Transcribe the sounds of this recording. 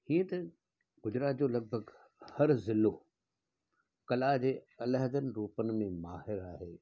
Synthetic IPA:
hĩːə̃t̪ɐ | ɡʊd͡ʑɾaːt̪̚d͡ʑoːlɐɡ̚bʱəɡ | hɐɾzɪlo | kɐlaːd͡ʑeːɐləɦd̪ənɪ̆ɾuːpənɪ̆mẽmaːhɪɾaːɦeː

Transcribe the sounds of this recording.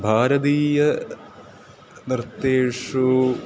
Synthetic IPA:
bʱaːɾɐd̪iːjɐ | niɾt̪ːeːʂu

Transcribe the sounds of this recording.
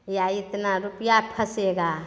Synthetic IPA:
jait̪naɾupjapʰɐseɡa

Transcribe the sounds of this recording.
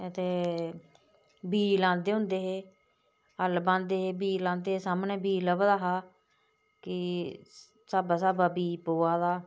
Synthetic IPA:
ət̪eː | biːlãːnd̪eːɦʊ̃nd̪eːɦeː | əlbãːnd̪eːɦeːbiːlãːnd̪eːsaːmnẽːbiːləbd̪aːɦaː | kɪ | saːbaːsaːbaːbiːpoːaːd̪aː

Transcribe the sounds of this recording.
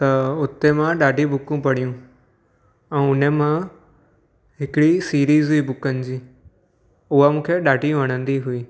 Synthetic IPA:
t̪ɐʊt̪emãɗaːɖʱibʊkũpɐɽ̤ijũ | ɛ̃ːʊnemã | ɦɪkɪɽisiːɾiːzɦʊiːbʊkənɪ̆d͡ʑiː | ʊɦamũːkʰeɗaːɖʱijũʋɐɽ̃ə̃nd̪iɦʊiː

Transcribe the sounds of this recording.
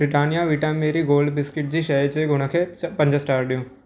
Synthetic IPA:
bɾɪʈaːnɪjaʋɪʈammeːɾiɡoːlɖbɪskɪʈ̚d͡ʑiːʃɐjət͡ʃeɡʱʊɽ̃əkʰeːpɐ̃ɲd͡ʒəsʈaːɾɖijõː

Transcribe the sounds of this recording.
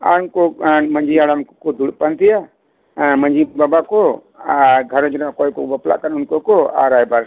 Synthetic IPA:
a̰ɾʊnkomə̃ɲd͡ʒiaɽamkɔd̪ʱuɽpant̪ija | mə̃ɲd͡ʒibabako | ɡʱəɾɔ̃d͡ʒɔnaʔkɔjkɔbɔpla̰ʔkənʊnkokɔa̰ɾajbaɾ

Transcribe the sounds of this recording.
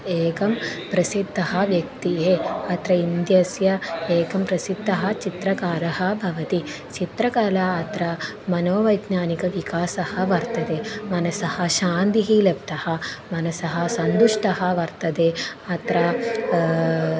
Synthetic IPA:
eːkɐmpɾɐsid̪ʱːɐɦɐ̆ʋjɐk̚t̪iɦeɐt̪ɾɐind̪jɐsjɐeːkɐmpɾɐsid̪ʱːɐɦɐt͡ʃit̪ɾɐkaːɾɐɦɐ̆bʱɐʋɐt̪i | t͡ʃit̪ɾɐkaːlaːɐt̪ɾɐ | mɐnoːʋɐjd̪naːnikɐʋikaːsɐhɐʋɐɾt̪ɐd̪eːmɐnɐsɐhɐʃaːnt̪iɦilep̚t̪ɐhɐmɐnɐsɐɦɐ̆sɐnd̪uʂʈɐɦɐ̆ʋɐɾt̪ɐd̪eːɐt̪ɾɐ

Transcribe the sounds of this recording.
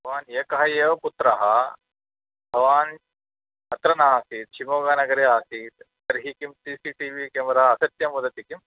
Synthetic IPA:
bʱɐʋaːneːkɐɦɐjeːʋɐput̪ɾɐɦɐ̰ | bʱɐʋaːn | ɐt̪ɾɐnaːsiːt̪̚t͡ʃʰimoːɡaːnɐɡɐɾeaːsiːt̪ːɐɾɦikimsiːsiːʈiʋiːkeːmɾɐɦɐɐsɐt̪jɐmud̪ɐt̪ikim

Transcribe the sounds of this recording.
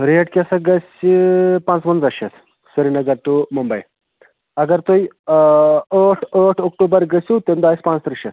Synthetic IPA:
ɾeːʈ̚kʲesɐɡɐsʲipãːnt͡sʋɐnzɐʃɐt̪ | sɐɾinɐɡɐɾʈumumbɐj | ɐɡɐɾt̪uj | oʈʰoʈʰokʈuːbɐɾɡɐsʲut̪emd̪aːisʲpãːnt͡st̪ɾɐʃɐt̪

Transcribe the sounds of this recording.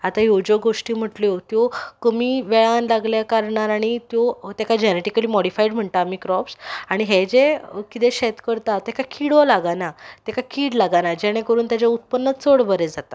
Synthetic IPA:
at̪ajod͡ʑoɡoʂʈiːm̤əʈljot̪jɔkəmiːʋeɭanlaɡljakaɾɳaɾaɽ̃it̪jɔt̪ɛkad͡ʑeneʈikəliːmɔɽifaiɖm̤əɳt̪aːmikɾɔpsaɽ̃iɦed͡ʑekit̪eɕɛt̪kəɾt̪at̪ɛkakʰiɽolaɡanat̪ɛkakʰiːɽlaɡanad͡ʑɛɽ̃ẽkəɾuːnt̪jat͡ɕaut̪̚pənːət̪t͡soɽbəɾed͡zat̪a

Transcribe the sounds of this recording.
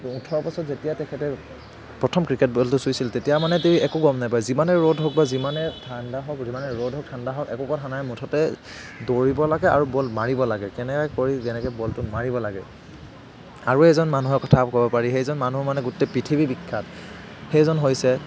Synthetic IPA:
utʰɔɹpɔsɔtzetijatɛkʰɛtɛ | pɹɔtʰɔmkɹiket̚bɔltʊsujsiltetijamanɛtiiɛkuɡɔmnajpaɹizimanɛɹodʱɦɔk̚bazimanɛtʰandaɦɔkzimanɛɹodʱɦɔk̚tʰandaɦɔkɛ̰kɔkɔtʰanajmutʰɔtɛ | doɹibɔlaɡɛa̰ɹubɔlmaɹibɔlaɡɛkɛnɛkakoɹizɛnɛkɔbɔltumaɹibɔlaɡɛ̰ | a̰ɹuɛzɔnmanuɦɔkɔtʰakɔbɔpaɹiɦejzɔnmanumanɛɡutɛpɹitʰibibikʰːat | xejzɔnɦojsɛ

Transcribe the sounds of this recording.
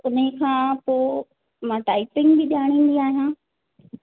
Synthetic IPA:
ʊnekʰãːpoː | mãːʈaːɪpɪ̃ŋɡbɪɗaːɽ̃ĩːn̆d̪iaːɦijãː

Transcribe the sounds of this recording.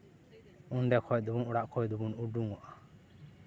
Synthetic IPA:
unɖɛkʰɔjd̪ubunuɽaʔkʰɔjd̪ubunuɖuŋwɔʔa

